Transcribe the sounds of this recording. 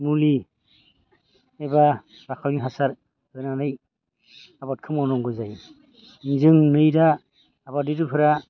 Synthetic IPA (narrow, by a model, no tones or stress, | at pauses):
muli | ɛba | ɾakʰawniɦasaɾ | ɡɯnanɯj | abat̚kʰɯmɔnɔŋɡɯjzaj | nzɯŋnɯjdaː | badidɯpʰɯɾa